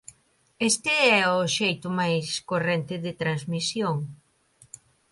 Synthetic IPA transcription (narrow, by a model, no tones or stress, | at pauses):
est̪ɪɛʊʃejt̪ʊmajskorent̪ɪðɪt̪ɾanzmisjoŋ